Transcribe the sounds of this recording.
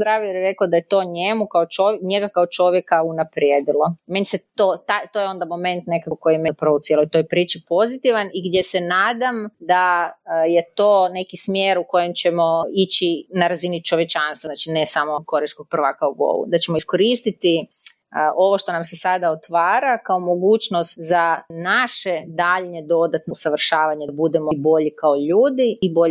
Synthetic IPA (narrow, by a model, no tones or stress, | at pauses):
d̪ɾaːʋijeɾjeɾe̞kod̪ajet̪o̞ːɲemukaot͡ʃoɲe̞ɡakaot͡ʃo̞ʋje̞kaunapɾjeːd̪ilˠome̞niset̪ot̪ajt̪ojeo̞nd̪amo̞mẽ̞nt̪nekako̞jimeprout̪jelojt̪o̞jpɾiːt͡ʃipo̞zit̪iʋaniɡd̪je̞se̞naːd̪amd̪aje̞t̪o̞ːne̞kismjeɾuko̞je̞mt͡ɕe̞mo̞it͡ɕinaɾazinit͡ʃo̞ʋjet͡ʃanst̪ʋanat͡ʃinesamo̞ko̞ɾiskoɡ̚pr̩ʋakauɡo̰ʋṵd̪at͡ɕe̞moisko̞ɾist̪it̪i | ʔo̞ʋoʃt̪o̞namse̞sad̪aot̪ʋaːɾakaomo̞ɡuːt͡ʃnost̪zanaʃe̞d̪aʎɲed̪o̞d̪at̪nosaʋr̩ʃaːʋaɲebud̪e̞mobo̞ʎikaoʎuːd̪iːbo̞ʎ